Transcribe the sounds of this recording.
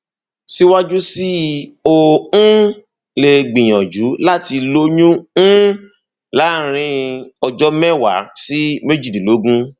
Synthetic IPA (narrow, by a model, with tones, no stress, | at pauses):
si˦wa˦d͡ʒu˦si˦o˦ũ˦ | le˧ɡ͡bĩ˨j̃ɔ̃˨d͡ʒu˨˦la˦ti˧lo˦ɲũ˦ũ˦ | la˨˦˨ɾ̃ĩ˧ɔ˧d͡ʒɔ˦mɛ̃˦˨wa̰˨˦si˦me˦d͡ʒi˦˨di˨lo˨˦ɡũ˦